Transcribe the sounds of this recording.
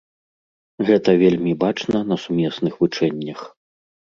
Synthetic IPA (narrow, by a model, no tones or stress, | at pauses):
ɣɛt̪ɐvʲelʲmʲibat͡ʂnɐnɐsumʲɛsnɨxvɨt͡ʂɛnʲːɐx